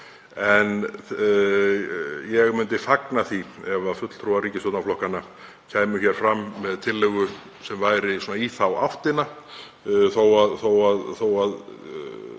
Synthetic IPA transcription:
ɛn | jɛɣmʏnt̪ɪfaknaθiɛvafʏt̪l̥t̪ʰɾuarɾiːcɪsɔt̪naflɔhkana | cʰaːjmʏçɛɾ̥fɾamːɛðt̪ʰɪlːɛɣʏ | sɛmvaːjɾɪsoɔːnaiθawa̰wfht̪ɪna | θowaðθowaðθowað

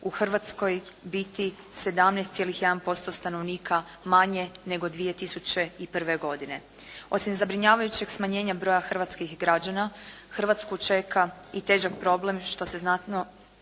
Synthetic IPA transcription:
uxr̩ʋat̪sko̞j | bit̪i | se̞d̪amnɛst̪sjeliçjed̪anpo̞st̪o̞st̪ano̞ʋniːkʰa | maɲe̞ne̞ɡo̞d̪ʋije̞t̪isut͡ɕe̞ipr̩ʋeɡo̞d̪ine̞ | o̞simzabɾiɲaːʋajut͡ɕe̞ɡsmaɲe̞ːɲabɾo̞ːjaxr̩ʋat̪skixɡɾad͡ʑanaxrʋat̪skut͡ʃe̞ka | it̪e̞ːʒakpɾo̞ble̞mʃt̪o̞se̞znat̪no̞

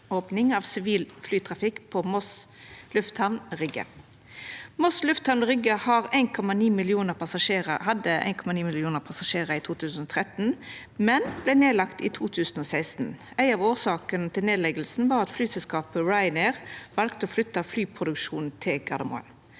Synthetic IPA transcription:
oːpnɪŋɑːʋsɪʋiːlflyːt̪ʰʁɑfɪkːpʰɔmɔslʉft̪hæʋnʁʏɡə̰ | mɔslʉft̪hɑʋnʁʏɡəhɑːʁæɪnkʰɔmɑniːmɪlɪuːnəʁpʰɑsɑʂeːʁə̰hɑd̪əæ̰ɪnkʰɔmɑniːmɪlɪuːnəʁpʰɑsɑʂeːʁəiːt̪ʰuːt̪ʰʉːsn̩ɔːt̪ʰʁɛt̪n̩ | mɛnblæneːlɑkt̪iːt̪ʰuːt̪ʰʉːsnɔːsæɪst̪n̩ | æɪɑːʋoːʁsɑːkənət̪ʰɪlneːd̪lɛɡəlsn̩ʋɑːʁɑt̪flyːsɛlskɑːpəɹɑɪneʁʋɑlkt̪əɔːflʏt̪ːɑflyːpʰʁʊd̪ʉkʂuːnn̩t̪ʰɪlɡɑd̪əmɔ̰ːə̰n

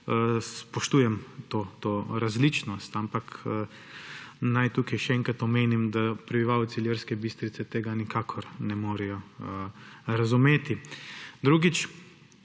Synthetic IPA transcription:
spɔʃt̪uːjɛmt̪oːt̪oːɾazlit͡ʃnɔst̪ampakː | najt̪uːkɛjʃɛɛŋkat̪ɔmeːnimd̪apɾɛbiʋaːwt̪siljəɾskɛbist̪ɾit̪sɛt̪eːɡanikaːkʰɔɾnɛmoːɾɛjɔ | ɾazumeːt̪id̪ɾuːɡit͡ʃ

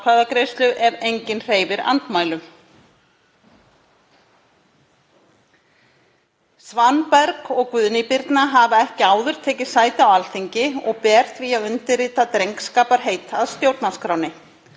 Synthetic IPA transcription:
kʰɾaðakɾejst̪lʏʔɛɾejɲcɪnr̥eːjvɪɾa̰nt̪maːjlʏm | svanpɛɾkɔɣkvʏðnɪpɪɾt̪naɦavaɛhcɪaːwðʏɾ̥t̪ʰɛːcɪ̥saːjt̪ɪawalθiɲcɪɔ̰ɣpɛːr̥t̪viaðʏnt̪ɪriːt̪at̪ɾejŋkskaːpaɾ̥ɦeːjt̪aðst̪jowɾt̪nḁskɾaːwnɪ

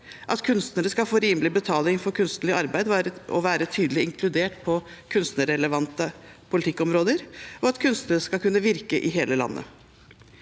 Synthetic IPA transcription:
ʔɑt̪kʰʉnst̪nəɾəskɑfoːɾiːnblɪbət̪ʰɑːlɪŋfɔɾkʰʉnst̪nəlɪɑɾbæɪd̪ɔ̰ʋæːɾət̪ʰyːd̪əlɪɪŋkʰlʉd̪eːʈpʰɔ | kʰʉnst̪nəɾɛləʋɑnt̪əpʰʊlɪt̪ʰɪkːɔmɾoːd̪əɾɔɑt̪kʰʉnst̪nəɾəskɑlkʰʉnːəʋɪɾkəʔɪɦeːləlɑ̰nːə̰

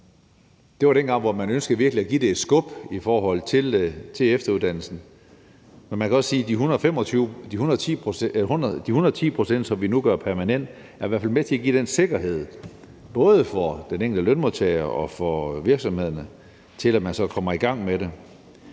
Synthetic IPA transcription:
d̥e̝ʋɑ̈ɾ̥enɡ̥ɑ̈ŋ̰ʋɒmænønsɡ̥əʋiɐɡ̥liæɡ̥id̥e̝ːd̥sɡ̥ɔb̥ifɒːɦɒ̽l̰t͡sʰe̝lt͡sʰe̝efd̥ɐuðˠd̥ænl̩sn̩ | menmænkʰæɒ̽sːiːd̥iɦunˠfem̰ɒyd̥ihun | hud̥ihunɐðˠt͡sʰḭːpʰʁo̝sen̰d̥sɒ̽mʋinuɡ̥ɶɐpʰæɐmænen̰d̥ | æɐiʋæɐfælmet͡sʰe̝æɡ̥ḭːd̥ense̝ɡ̥ɐɦe̝ð̞̰ˠ | b̥ɔ̽ːð̞ˠəfɒd̥eneŋ̰ɡ̥l̩dəlønmoðˠt͡sʰeɐʔɒ̽fɒʋiɐɡ̥sɒ̽mhe̝ð̞̰ˠɐnə | t͡sʰe̝læ̥mænsɒ̽kʰɒ̽mɐiɡ̥ɑ̈ŋ̰meɾe̝

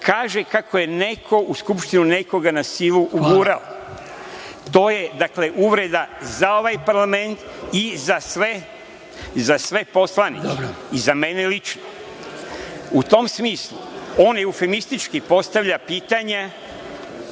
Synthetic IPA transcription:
kaːʒekakʰoje̞ne̞kʰo̞ʔuskupʃt̪inune̞ko̞ɡanasiluʔuɡuːɾao | t̪o̞ːje̞d̪akle̞ʔuʋɾe̞d̪azao̞ʋajpaɾlame̞nt̪izasʋe | zasʋe̞po̞slˠanḭeizame̞nelit͡ʃno | ut̪o̞msmiːslˠṵo̞ːneufemist̪it͡ʃkipo̞st̪aʋʎapiːt̪aɲa

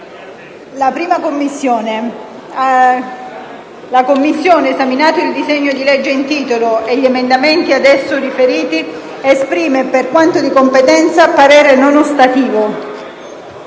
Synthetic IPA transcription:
lapɾiːmakomːisːoːne | lakomːisːjoːneezaminaːt̪oild̪izeɲːod̪ilɛd͡ʒːeint̪iːt̪oloeʎːiemend̪amɛnt̪iad̪ɛsːorifeɾiːt̪i | espɾiːmeperkwant̪od̪ikompet̪ɛnt̪sapaɾɛːɾenonost̪at̪iːvo

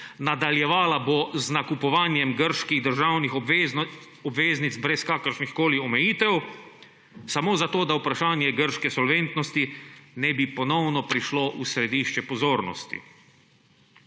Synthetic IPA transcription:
nad̪aljɛʋaːlaboznakupɔʋaːnjɛmɡəɾʃkiɣd̪əɾʒawnix | ɔbʋeːznit̪zbɾɛskaːkəɾʃnixkoːliɔmɛjiːt̪ɛw | samoːzat̪oːd̪aupɾaʃaːnjɛɡəɾʃkɛsɔlʋent̪nɔst̪inɛbipɔnɔwnɔpɾiʃloʔusɾɛd̪iʃt͡ʃɛpɔzoːɾnɔ̰st̪ḭ

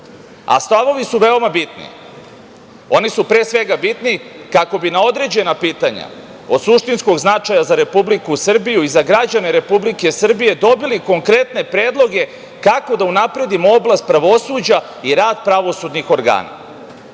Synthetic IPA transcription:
a̰st̪aʋo̞ʋisuʋe̞o̞mabit̪nḭ | o̞nisupɾeːsʋe̞ɡabit̪nikako̞binao̞d̪ɾe̞d͡ʑe̞napiːt̪aɲa̰ | o̞d̪suʃt̪insko̞ɡznat͡ʂajazaɾe̞publikusr̩bijuizaɡɾad͡ʑane̞ɾe̞publike̞sr̩bije̞d̪o̞biliko̞ŋkɾe̞t̪ne̞pɾe̞ːd̪lˠo̞ɡe̞ | kako̞d̪aunapɾe̞d̪imooblˠast̪pɾaʋo̞suːd͡ʑa | iɾaːd̪pɾaʋo̞sud̪nixo̞ɾɡa̰ːna̰

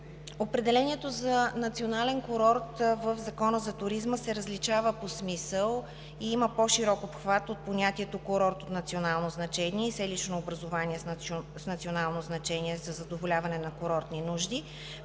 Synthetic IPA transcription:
opɾɛd̪ɛlɛnʲiɛt̪ozɐnɐt̪sionalɛnkoɾɔɾt̪vəvzɐkɔnəzɐt̪ʊɾizməsɛɾəzlit͡ʃavəposmisəlˠ | iiməpoʃiɾɔkopxvat̪ot̪̚ponʲat̪iɛt̪okoɾɔɾt̪ot̪nɐt̪sionalˠnoznɐt͡ʃɛniɛisɛlit͡ʃnoːbɾɐzovaniɛsnɐt̪sionalˠnoznɐt͡ʃɛniɛzɐzɐd̪ovolʲavɐnɛnɐkoɾɔɾt̪ninuʒd̪i

